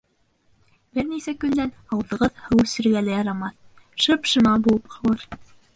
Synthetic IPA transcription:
bɘɾnisækɵ̆nd̪ænɑwðɤ̆ʁɤðhɤ̆wsɵ̆ɾɡælæjɑɾɑmɑθ | ʃɤpʃɤ̆mɑbulˠɤpqɑwɤɾ

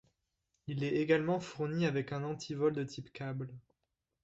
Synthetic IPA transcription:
ilɛeɡalmɑ̃fuʁniavɛkɛ̃nɑ̃t̪ʰivɔld̪ət̪ʰipkabl

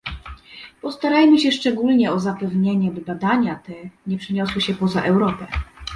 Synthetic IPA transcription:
pɔst̪aɾajmɘɕɛʂt͡ʂɛɡulɲɛɔzapɛvɲeɲɛbɘbad̪aɲat̪ɛɲɛpʂɘɲɔswɘɕɛpɔzaʔɛwɾɔpɛ

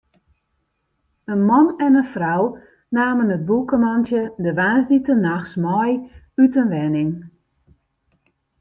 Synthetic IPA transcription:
ənmɔnɛnəfraw | naːmənət̚bukəmantjədəʋaːzditənaxsmɔj | ytənʋɛnɪŋ

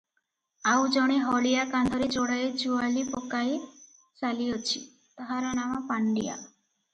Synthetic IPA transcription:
aud͡ʒɔɽ̃iɦɔlijakãnd̪ʱɔɾid͡ʒoɽaed͡ʒualipɔkaj | t͡ʃalijot͡ʃʰi | t̪əɦaɾanamapaɳɖija̰

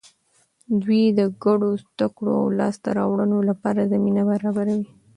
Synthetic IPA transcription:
d̪wid̪əɡaɽozd̪akɽo̰a̰wlɑst̪a̰ɾɑwɽənolapɑɾazaminabaɾɑbaɾawi

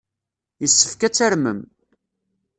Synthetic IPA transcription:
jəsːə̥fkæt͡sːaɾməm

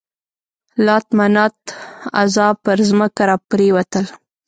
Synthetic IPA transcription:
lɑt̪manɑt̪a̰zɑpəɾzməkaɾɑpɾewat̪əl

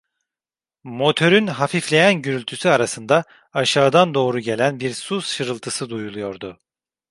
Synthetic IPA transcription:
mo̞t̪ʰø̞ɾynɦafiflʲe̞jænɟyɾylʲt̪ʰysyaɾasɯnd̪a | aʃaːd̪and̪o̞ːɾuɟe̞lʲænbiɾsusʃɯɾɯlˠt̪ʰɯsɯd̪ujulˠujo̞ɾd̪ʊ

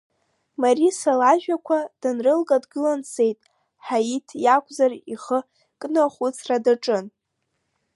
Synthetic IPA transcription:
marisalaʒᶣakʷʰad̥ɨnrɨlɡʼadɡɨlansʰe̞jtʼ | ħajitʰjakʷʰʼzariχə | kʼnɨχʷut͡sʰradaʈ͡ʂʼɨn

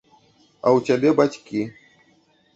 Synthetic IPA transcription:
a̰wt͡ɕʲabʲɛbat͡sʲkʲi

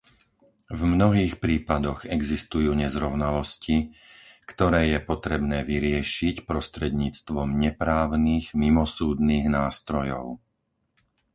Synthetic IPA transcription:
vmnɔɦiːxpɾiːpad̪ɔɣɛɡzist̪ujuːɲɛzɾɔʊnalɔscikt̪ɔɾɛːjɛpɔt̪ɾɛbnɛːʋiɾɪɛʃicpɾɔst̪ɾɛd̪ɲiːt͡st̪ʋɔmɲɛpɾaːʊniːɣmimɔsuːd̪niːɣnaːst̪ɾɔjɔ̰ʊ

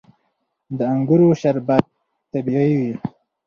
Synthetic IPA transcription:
d̪əaŋɡuɾoʃaɾbad̪̚ | t̪abiijwi

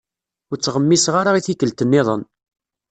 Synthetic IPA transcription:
ʊɾt͡sːʁəmːisʁaɾaiθikːəlt̪ənːɪðˤə̰n

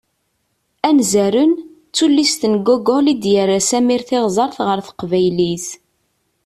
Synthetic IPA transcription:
ænzæɾən | t͡sːulːist̪ənɡoɡolid̪jəɾːasæmiɾθɪʁzˤɑɾˤθʁəɾθə̥qvæjliθ

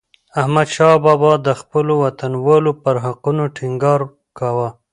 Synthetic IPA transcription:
ahmad̪ʃɑbɑbɑd̪əxpəlowat̪anwəlopəɾɦaqunoʈʰɪŋɡɑɾ | kawa

